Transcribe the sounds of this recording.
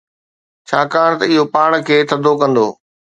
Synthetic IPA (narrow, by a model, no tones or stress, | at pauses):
t͡ɕʰaːkaːɽ̃t̪ɐɪɦopaːɽ̃̆kʰeːt̪ʰɐd̪ʱokɐ̃nd̪o̰ː